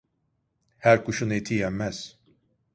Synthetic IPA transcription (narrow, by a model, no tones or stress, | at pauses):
hæɾkʰuʃunet̪ʰijɛmmːæz̥